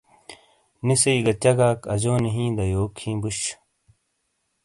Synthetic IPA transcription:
nisɐiɡɐt͡ɕɐɡaːkɐd͡ʑoːniɦĩːd̪ɐjoːkʰːĩːbuɕ

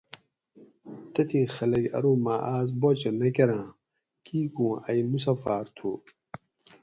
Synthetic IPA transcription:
t̪ɐt̪ʰixɐlɐɡɐ̰ɾumaːʔaːzbot͡ɕɐnɐkeɾãː | kiːkũːɐjmus̬ɐfaːɾt̪ʰu

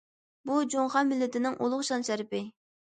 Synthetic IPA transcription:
bud͡ʒoŋχɑnmɪlːɪt̪ɪnɪŋʔolˠʊχʃɑnʃæɾɪpɪ

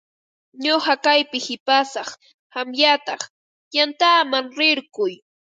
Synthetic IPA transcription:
ɲohɑkajpɪhɪpasɑχ | hamjat̪ɑχ | jant̪aːmaŋɾɪɾkʊj

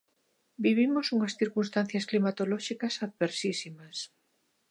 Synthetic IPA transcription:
biβ̞imosuŋɐsθiɾkunst̪an̟θjɐsklimat̪olɔʃikɐsaðβeɾsisimɐs

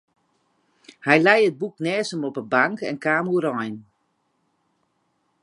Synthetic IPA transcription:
hɛjlɛjəd̚buknɛːsəmɔpəbaŋkɛ̰nkaːmuɾɔjn

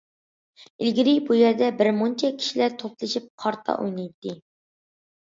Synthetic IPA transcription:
ilɡʲiɾibujeɾd̪ɛbɪɾmont͡ʃʰɛkʲʰi̥ʃilæɾt̪ʰop̚lˠɨʃip̚qʰɑɾt̪ʰɑ̰ʔṵjnɑjt̪ːɨ

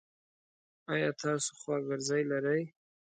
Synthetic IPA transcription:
ɑjɑt̪ʰɑso̥xwɑɡɪɾzɑjlaɾaj

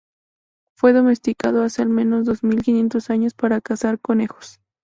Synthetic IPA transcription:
fwe̞ðo̞me̞st̪ikað̞o̞ase̞almẽ̞no̞zðo̞zmilkinje̞nt̪o̞saɲo̞spaɾakasaɾko̞nexo̥s

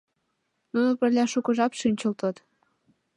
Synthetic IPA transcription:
nunopə̆rlʲæʃukɤʒɑpʃynʲt͡ɕəlt̪ət̪

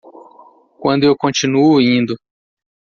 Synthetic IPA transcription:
kwɐ̃nd̪ʊewkõt͡ʃinuʊĩnd̪ʊ

